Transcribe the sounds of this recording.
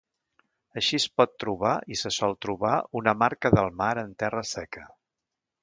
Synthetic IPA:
əʃispɔt̪ːɾuβaisəsɔlˠt̪ɾuβaunəmaɾkəðəlˠmaɾənt̪ɛrəsɛkʰə

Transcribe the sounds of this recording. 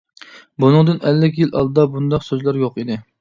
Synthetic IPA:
bunɨŋd̪ɨnɛlːɪkʲjilʔɑ̰lˠd̪ɨd̪ɑbund̪ɑqsøzlæɾjoqid̪ɪ

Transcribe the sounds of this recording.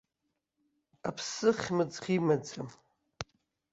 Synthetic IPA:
apʰsɨχʲmɨd͡zʁʲimad͡zam

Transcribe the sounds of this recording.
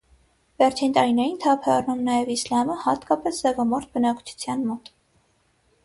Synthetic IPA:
vɛɾt͡ʃʰint̪ɑɾinɛjint̪ʰɑpʰɛɑrnumnɑjɛvislɑməhɑt̪kɑpɛszɛvɑmɔɾt̪̚ʰbənɑkt͡ʃʰu̥t͡sʰjɑnmɔt̪

